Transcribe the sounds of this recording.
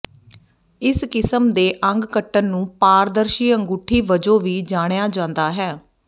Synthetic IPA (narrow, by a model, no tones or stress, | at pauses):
ɪskɪsəmd̪eːʔə̃ŋɡkəʈːənːũːpaːɾd̪əɾʃiːəŋɡuʈʰiːʋəd͡ʒoːʋiːd͡ʒaːɽ̃jaːd͡ʒãːnd̪aːɦɛː